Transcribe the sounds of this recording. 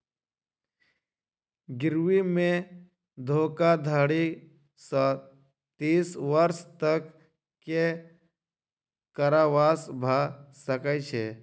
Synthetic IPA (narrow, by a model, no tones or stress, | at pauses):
ɡɪɾʋimẽ | d̪ʱoːkad̪ʱəɽi | s | t̪iːsʋəɾst̪ək | ke | kəɾaʋaːsbʱasəkət͡ʃʰeː